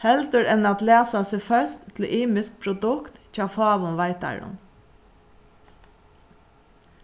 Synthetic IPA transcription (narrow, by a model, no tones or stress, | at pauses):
hɛlt̪əɾɛnɑt̪leːsɑsefœst̪ʰl̩ʔiːmɪsk̚pʰɾʊd̪ʉkt̪çɑfɑːʋʊnʋæɪt̪æ̰ɹʊ̰n